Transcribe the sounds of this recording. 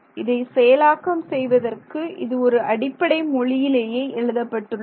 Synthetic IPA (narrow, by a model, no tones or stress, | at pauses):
ɪðɐɪsɛjɐlaːkɐmsɛjʋɐðɐrkɯʔɪðɯɔɾɯʔɐɽɪpːɐɽɐɪmɔɭɪjɪleːjeːʔɛɻɯðɐpːɐʈːɯɭː